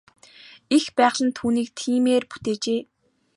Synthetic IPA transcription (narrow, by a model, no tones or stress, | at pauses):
ixpæːʁɮə̆nt̪ʰuːniːk̚t̪ʰiːmeːrpu̥t̪eːt͡ɕeː